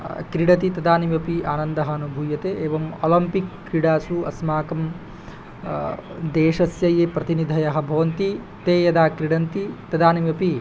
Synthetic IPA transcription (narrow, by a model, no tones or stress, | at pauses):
kɾiɽɐt̪it̪ɐd̪aːnimjɐpiaːnɐnd̪ɐɦɐːnubʱuːjɐt̪eːʔeːʋɐmo̰ːlɐmpikːɾiɽaːsuɐ̰smaːkɐm | d̪eːʃɐsjɐjeːpɾɐt̪inid̪ʱɐjɐɦɐbʱɐʋɐnt̪i | t̪eːjɐd̪aːkɾiɽɐnt̪it̪ɐd̪aːnimjɐpi